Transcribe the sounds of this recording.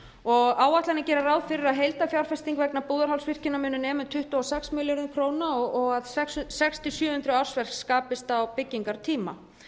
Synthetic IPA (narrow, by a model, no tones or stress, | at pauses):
ɔɣaːwat̪lanɪcɛːɾarawðfɪɾɪɾaðɦejlt̪afjawɾ̥fɛst̪iŋkvɛknapuːðaɾhawlsvɪr̥cɪnːamʏnʏnɛːmʏnt̪ʰʏht̪ʏɔsɛksmɪljoɾʏkʰɾoːwnaɔɔɣaðsɛkssɛkst̪ʰɪsjœːhʏnt̪ɾʏawr̥svɛr̥kskaːpɪst̪awpɪcːiŋkaɾt̪ʰiːma̰